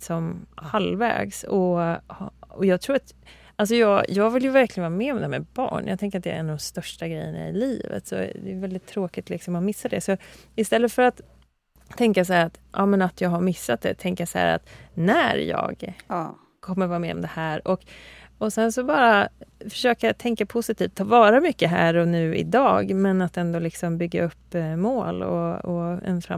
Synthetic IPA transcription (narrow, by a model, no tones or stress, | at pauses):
sɔmhalvɛ̰ːɡsɔhɔjɑːɡt̪ʰɾuːɾat̪ | als̬ɔjɑːjɑːɡvɪljɵvæɾklɪɡənɑːamɛɔmd̪ɛhæmɛbɑ̰ːɳjɑ̰ɡt̪ɛŋkəɾat̪̚d̪ɛæ̰ɾɛnad̪ɔmst̪œʂʈaɡɾɛjːəna̰ɪliːvə̰t̪sɔ̰d̪ɛjvɛld̪ɪt̪ʰːɾoːkɪt̪lɪksɔmɔmɪsːad̪ɛsɔɪst̪ɛlːət̪fœɾat̪ʰː | ɛŋkas̬aæːɾat̪ʔɑːmɛnat̪jɑːɡɦaɾmɪsːat̪̚d̪ɛ̰t̪ʰɛŋkəjasahæ̰ːɾa̰t̪næɾjɑ̰ːɡ | kʰɔmːəɾvɑːɾamḛːɾɔ̰md̪ɛhæːɾɔkɔsɛnsɔbɑːɾafœ̥ʂøːkat̪ʰɛŋkapʰʊsɪt̪ʰiːft̪ʰːɑːvɑːɾamʏkːəɦæ̰ːɾɔnʉ̟ːɪ̰d̪ɑːɡmɛnat̪ɛnd̪oːlɪksɔmbʏɡːa̰ɵpːmoːlɔ̰ɔɛ̰nfɾa̰